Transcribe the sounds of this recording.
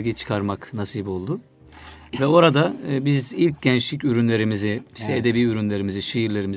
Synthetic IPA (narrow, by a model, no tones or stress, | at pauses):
ɡit͡ʃʰɯ̥kʰaɾmaknasiːbo̞lˠd̪ʊ | vɛo̞ɾad̪abizilʲcɟɛnt͡ʃlʲicyɾynlʲe̞ɾimiziʃt̪ɛed̪ebiːyɾynlʲe̞ɾimiziʃijiɾlʲe̞ɾimiz